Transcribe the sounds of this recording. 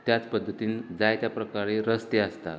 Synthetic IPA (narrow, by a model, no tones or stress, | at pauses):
t̪jat͡spəd̪ʱːət̪iːnd͡zajt̪japɾəkaɾeɾəst̪east̪a̰